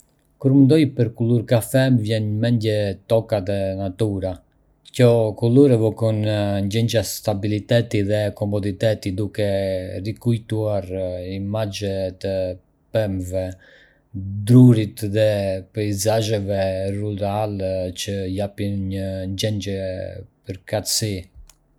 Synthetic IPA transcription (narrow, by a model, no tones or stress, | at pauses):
kuɾmənd̪ɔjpəɾkuluɾkafɛmvjɛnɲəmɛnd̪jɛt̪ɔkaðɛnat̪uɾa | cɔkuluɾɛvɔkɔnɲd͡ʒɛnd͡ʒast̪abilit̪ɛt̪iðɛkɔmɔd̪it̪ɛt̪id̪ukɛrikujt̪uaɾimad͡ʒɛt̪ə | pɛmvɛ | d̪ɾuɾit̪ðɛpɛizaʒɛvɛruɾalt͡ʃəjapinɲəɲd͡ʒɛnd͡ʒɛpəɾkat̪si